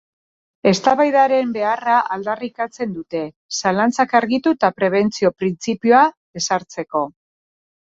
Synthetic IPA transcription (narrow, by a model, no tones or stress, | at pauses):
e̞st̪aβajðaɾe̞mbe̞araʔald̪arikat͡se̞nd̪ut̪e̞ | salant͡sakaɾɣit̪ut̪apɾe̞β̞e̞nt͡sio̞pɾint͡sipioaðe̞saɾt͡se̞ko̞